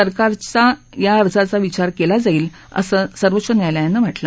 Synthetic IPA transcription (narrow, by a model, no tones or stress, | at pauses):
əɾkaɾt͡sa | jaəɾd͡zat͡saʋit͡ɕaɾkelad͡zaiːl | ə̰səːsəɾʋətːɕənjajlajanːəʋ̤ʱəʈla